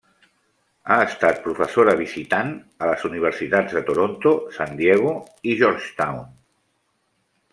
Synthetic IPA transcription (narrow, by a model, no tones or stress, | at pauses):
aəst̪at̪̚pɾufəsoɾəβizit̪an | ələzuniβ̞əɾsit̪ad͡zðət̪oɾont̪osand̪jɛɣ̞u | iʒɔɾʃt̪awn